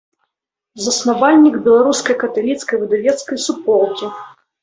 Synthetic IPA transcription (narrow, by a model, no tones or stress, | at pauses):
zɐsnavalʲnʲiɡbʲɛlˠaɾuskɐjkɐt̪alʲit̪skɐjvɨd̪avʲɛt̪skɐjsupɔlˠkʲi